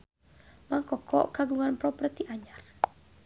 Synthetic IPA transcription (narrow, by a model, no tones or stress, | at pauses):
maŋkɔkʰɔ̰ʔkaɡuŋanpɾɔpərt̪iʔaɲar